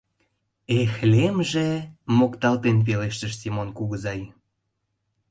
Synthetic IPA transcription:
exlemʒemokt̪ɑlt̪enp̬eleʃt̪ə̆ʃsʲimonkuɣəzɑj

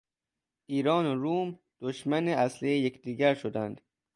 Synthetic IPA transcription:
iːɾɒːnoɾuːm | d̪̥oʃmæneæslijejekd̪iːɡæɾʃod̪ænd̪̥

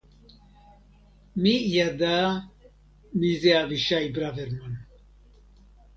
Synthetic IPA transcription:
mijad̪a | mizeaviʃaibɾavɛɾman

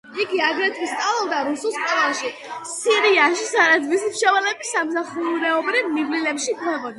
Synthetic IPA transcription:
iɡiaɡɾɛt̪ʰwist̪ʼalɛld̪aɾusulˠsp̚t̪ʰʼɛaʃi | siɾiaʃisad̪ad̪vismʃɛvɛlɛbisːamsaχuɾɛɔbɾiniblilɛpʃikʰɾɛʁɔn

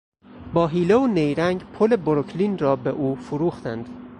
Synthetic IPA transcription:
bɒːɦiːleonejɾæŋɡpʰoleboɾokʰlinrɒːbeʔuːfuɾuːxt̪ænd̪̥

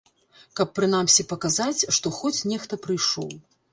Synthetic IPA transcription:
kɐpːɾɨnamsʲipɐkazat͡sʲʂt̪ɔxɔt͡sʲnʲɛxt̪ɐpɾɨjʂɔ̰w

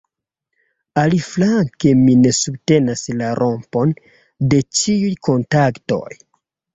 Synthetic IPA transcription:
aliflaŋke̞mine̞sub̚te̞naslaɾʔo̞mpo̞n | de̞t͡ʃiujkʰo̞ntakto̞̰j

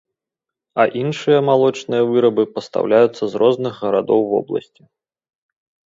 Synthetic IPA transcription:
ɐʔinʂɨjɐmalˠɔt͡ʂnɨjɐvɨɾɐbɨpɐst̪a̰wlʲajut̪sːɐzrɔznɨɣːɐɾad̪ɔwvɔ̰blˠɐ̰sʲt͡sʲi

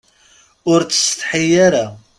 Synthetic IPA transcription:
ʊɾt͡sːə̥sθħijːaɾa

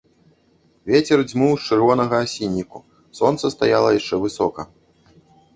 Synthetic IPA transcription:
vʲet͡sʲɛrd͡zʲmɨwt͡ʂɨrvɔnɐɣɐːsʲinʲːiku | sɔnt̪sɐst̪ajalˠɐjaʂt͡ʂɛvɨsɔkɐ

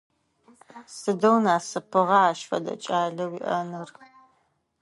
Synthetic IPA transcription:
sɨdɐwnaːsɨpʰɨʁɑaːʃfɐ̰dɐ̰t͡ʃʼaːɮɐwiʔɐnɨr

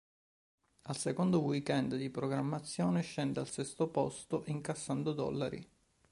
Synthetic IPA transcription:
alsekond̪owikɛnd̪d̪ipɾoɡɾamːat̪sːjoːneʃːɛnd̪ealsɛst̪opɔst̪oʔiŋkasːand̪od̪ɔ̰lːaɾḭ

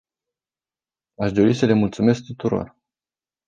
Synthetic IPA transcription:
aʃd̪o̞ɾisəle̞mult̪sume̞sk̚t̪ut̪uɾo̞̰r

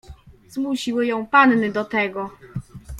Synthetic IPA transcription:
z̥muɕiwɘjɔ̃w̃panːɘd̪ɔt̪ɛɡɔ

